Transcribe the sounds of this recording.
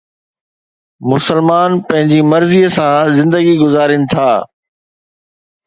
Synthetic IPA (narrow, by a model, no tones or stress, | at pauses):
mʊsəlmaːnpɐ̃ɦɪ̃ɲd͡ʑimɐɾziəsãzɪ̃nd̪əɡiɡʊzaːɾɪnɪ̆t̪ʰaː